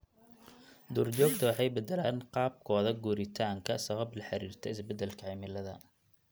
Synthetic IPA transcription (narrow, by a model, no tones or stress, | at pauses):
d̪ɔːrt͡ʃɔːɡt̪ʰɐwɑħɑjbɛd̪ɛlaːnqɑːb̚kʰɔːðɐɡuɾɪt̪ʰaːŋkʰɐsɐβɐblɐħɑɾiːrt̪ʰɔɪsbɛd̪ːɛlkʰɐʕiːmɪlɐðɐ̰